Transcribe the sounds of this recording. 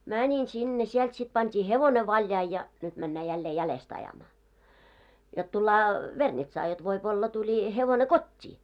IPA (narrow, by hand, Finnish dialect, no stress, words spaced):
mænʲin sinːe siɛlt sit pɑntʲiː heʋone ʋɑljɑi jɑ nyt mænːæː jælːeː jælest ɑjɑmɑː jot tulːɑː ʋernitsɑː jot ʋoip olːɑ tulʲi heʋone kotʲːiː